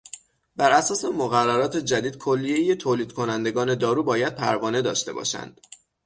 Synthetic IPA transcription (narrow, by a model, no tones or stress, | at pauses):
bæɾʔæsɒːse̞moɣærːæɾɒːt̪ʰed͡ʒæd̪iːd̪̥̚kʰolːije̞jet̪ʰoːliːd̪̥̚kʰo̞nænd̪e̞ɡɒːne̞d̪ɒːɾuːbɒːjæd̪̥̚pʰæɾvɒːne̞d̪ɒ̰ːʃt̪e̞̰bɒ̰ʃæ̰nd̪̥